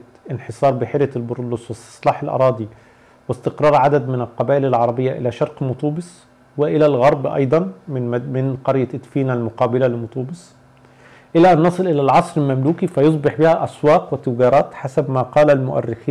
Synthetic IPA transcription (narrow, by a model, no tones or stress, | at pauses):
ʔɪnħesˤɑːɾˤbɪħeɾjælbʊɾlːʊswɪst̪sˤlɑːħɪlʔɑ̰ɾˤɑːd̪ˤi | wɪst̪ɪqɾˤɑːɾˤʕad̪æd̪mɪnælqɑbæːʔɪlalʕɑɾˤɑbɪjːaʔɪlæːʃɑɾˤqmʊt̪ˤuːbɪs | wɪʔɪlælɣɑɾˤbʔɑ̰jd̪ˤɑnmɪnqɑɾjaʔt̪fiːnalmʊqɑːbɪlælɪmʊt̪ˤuːbɨsˤ | ʔɪlæʔænːɑsˤɨlʔɪlælʕɑsˤɾɪlmæmluːkifæjos̬ˤbɪħbiːhæʔæswɑːqwɪt̪ːʊɡɑːɾˤɑːt̪ħasæbmaːqɑːlælmʊʔæ̰rːɪxiː